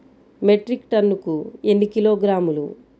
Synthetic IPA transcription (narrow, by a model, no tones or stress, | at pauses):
meʈɾikʈɐnːukuenːikilo̞ːɡɾaːmulṵ